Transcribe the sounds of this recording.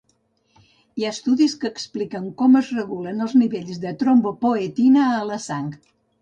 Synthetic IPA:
iaəst̪uðiskəːksplikəŋkɔməzrəɣulənəlˠzniβeʎzðət̪ɾombəpoet̪inəːləsaŋk

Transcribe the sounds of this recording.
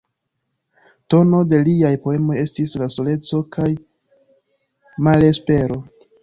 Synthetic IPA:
to̞no̞de̞liajpo̞e̞mo̞je̞stislaso̞le̞t͡so̞kʰaj | male̞spe̞ɾo̞

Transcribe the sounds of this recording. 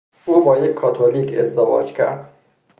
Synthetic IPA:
ubɒːjekʲʰːɒːt̪ʰoliːkʰḛzd̪evɒ̰ːd͡ʒkʰʲæ̰ɾd̪

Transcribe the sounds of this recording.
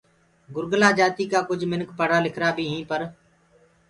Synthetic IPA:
ɡʊɾɡlaːd͡ʒaːt̪iːkaːkʊd͡ʒʱmɪnkpəɽ̤aːlɪkʰɾaːbʱiːɦĩːpəɾ

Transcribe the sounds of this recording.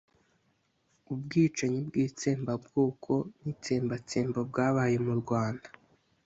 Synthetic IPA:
ubɡiːt͡ʃaɲibɡiːt͡seːmbabɡoːkʰo̞nit͡seːmbat͡seːmbob̚ɡaːβaːje̞muɾɡwaːndḁ

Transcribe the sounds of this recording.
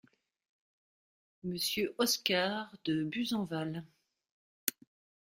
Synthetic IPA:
məsjøʔɔskaʁd̪əbyzɑ̃val

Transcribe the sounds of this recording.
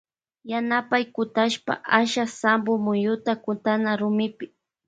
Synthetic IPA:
janapajkʊt̪aʃpa̰ʔaʃasambʊmʊjʊt̪akʊnt̪anaɾʊmɪpɪ̥

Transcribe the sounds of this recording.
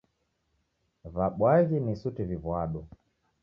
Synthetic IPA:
vaɓwaɣinisutivivwaɗu

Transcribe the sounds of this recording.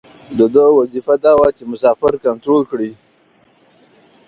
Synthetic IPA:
d̪əd̪əwazifad̪ɑːwat͡ʃemʊsɑːfɪɾkant̪ɾolkɽi

